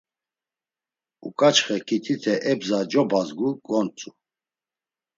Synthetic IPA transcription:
ṵkʼat͡ʃχɛkʰit̪ʰit̪ʰɛʔɛbzad͡ʒɔbazɡuɡɔnt͡sʼu

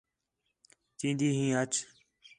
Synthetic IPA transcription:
t͡ʃĩːnd̪iːɦĩːɦət͡ʃ

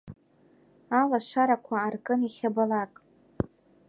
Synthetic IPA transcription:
alaʃʷaɾakʷʰaːrkʼɨniχʲabalakʼ

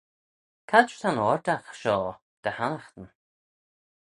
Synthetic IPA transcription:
kʰatt̪ʰanɔɹd̪axʃɔː | d̪̥əhanaxt̪ən

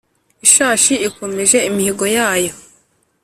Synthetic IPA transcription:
iʃaːʃiːko̞meʒe̞imihiɡojaːjo̞

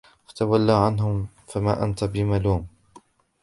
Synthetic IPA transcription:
fḁt̪awalːaːʕanɦʊm | famaːʔa̰nt̪abɪmaluːm

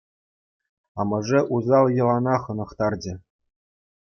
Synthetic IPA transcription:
ɑmɤ̆ʐɘ̆ʔuzɑlˠjɤ̆lˠɑnɑχɤ̆nɤ̆χt̪ɑrd͡ʑɘ̆

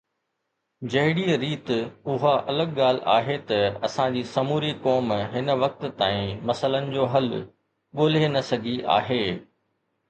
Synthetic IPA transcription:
d͡ʑɐɦɪɽiːɾiːt̪ʊɦaʔɐləɠɠaːl̤ɪʔa̰ːɦet̪ɐɐsãd͡ʑiːsɐmuːɾikɔːmɦɪn̆ʋɐk̚t̪t̪aːĩmɐsələnɪ̆d͡ʑoːɦɐl | ɠoːl̤enɐsɐɡʱiʔa̰ːɦeː

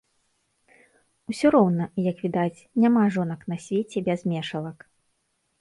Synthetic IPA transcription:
wsʲɔɾɔwnɐjɐkvʲid̪at͡sʲnʲamaʐɔn̪ɐkn̪asʲvʲet͡sʲɛbʲazmʲɛʂɐlˠɐk

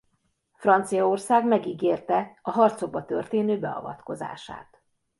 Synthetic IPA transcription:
frɒnt̪sijɒo̞rsaːɡmɛɡiːɡeːrt̪ɛɒɦɒrt̪so̞ɡ̚bɒt̪ø̰rt̪eːnøːbɛɒ̰vɒ̰t̪ko̞za̰ːʃa̰ːt̪

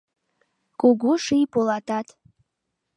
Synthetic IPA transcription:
kʼuɡuʂijpolˠatat̪

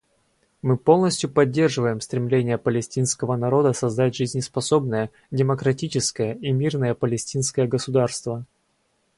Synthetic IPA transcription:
mɨpo̞lˠnəsʲtʲjʊpɐdʲːe̞rʐɨvəjɪmst̪ɾʲɪmlʲenʲɪjəpəlʲɪsʲtʲinskəvənɐɾo̞d̪əsɐzd̪atʲʐɨzʲnʲɪspɐso̞bnəjə | dʲɪməkɾɐtʲit͡ɕɪskəjəimʲirnəjəpəlʲɪsʲtʲinskəjəɡəsʊd̪arst̪və

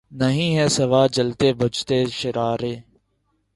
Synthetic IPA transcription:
nəɦĩːɦɛːsəʋaːd͡ʒəlt̪eːbʱət͡ʃt̪eːʃɪɾaːɾeː

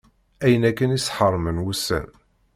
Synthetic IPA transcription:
æjənækːənisħəɾˤːmənwusːə̰n

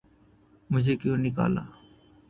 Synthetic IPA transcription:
mʊd͡ʒʱeːkjõːnɪka̰ːla̰ː

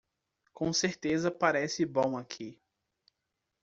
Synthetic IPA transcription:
kõseɾt̪ezɐpaɾɛsɪbõw̃akʰi

